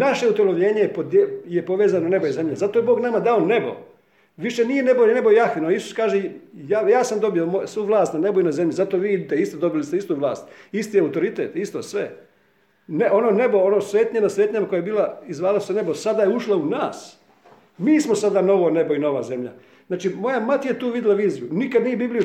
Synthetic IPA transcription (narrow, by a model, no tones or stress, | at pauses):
naʃe̞ut̪oloʋʎe̞ːɲejpod̪jepo̞ʋeːzanone̞bojeze̞mʎezat̪oje̞bo̞ːɡnamad̪aone̞bo̞̰ | ʋiʃe̞nije̞ne̞bojʎene̞bojjaxʋinaisu̥skaːʒejajaːsamd̪o̞bijomosʋuːʋlˠaːst̪nane̞bojunaze̞mʎizat̪oʋiːid̪it̪eist̪od̪o̞bilist̪eist̪uʋlˠaːst̪ist̪iaut̪o̞ɾit̪ḛːt̪ist̪osʋe̞ | neʔo̞noːne̞boonosʋe̞ːt̪ɲenasʋeːt̪ɲamako̞jajebiːlˠaizʋaːlasusene̞bosad̪ajeuʃlaunaːs | miːsmosad̪ano̞ʋone̞boino̞ʋa̰ze̞mʎa̰ | znaːt͡ʃimo̞jamat̪ijet̪uːʋid̪ilaʋiːzijunikad̪nije̞bibliju